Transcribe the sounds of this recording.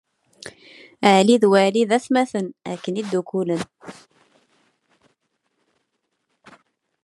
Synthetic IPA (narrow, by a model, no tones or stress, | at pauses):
əʕliðwæliðæθmæθənæ̰kːənid̪ːukulən